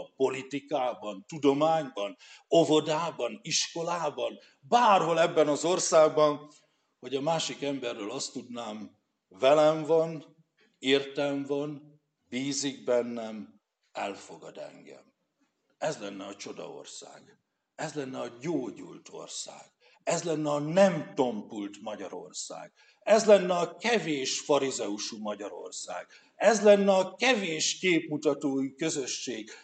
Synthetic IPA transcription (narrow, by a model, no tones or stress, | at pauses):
po̞lit̪ikaːbɒnt̪ud̪o̞maːɲbɒno̞vo̞d̪aːbɒniʃko̞laːbɒn | baːrɦo̞lɛbːɛnɒzo̞rsaːɡbɒn | hɒɟɒmaːʃikɛmbɛrːøːlɒst̪ud̪naːm | vɛlɛɱvɒn | irt̪ɛɱvɒn | biːziɡ̚bɛnːɛm | ɛlfo̞ɡɒd̪ɛ̰ŋɡɛ̰m | ɛzlɛnːɛɒt͡ʃo̞d̪ɒ̰o̞̰rsa̰ːɡ̥ | ɛzlɛnːɛɒɟoːɟṵlt̪o̞̰rsa̰ːɡ̥ | ɛzlɛnːɛɒnɛmt̪o̞mpult̪mɒɟɒɾo̞̰rsa̰ːɡ̥ | ɛzlɛnːɛɒkɛveːʃfɒɾizɛuʃumɒɟɒɾo̞̰rsa̰ːɡ̥ | ɛzlɛnːɛɒkɛveːʃkeːpmut̪ɒt̪oːikø̞zø̞ʃːeːɡ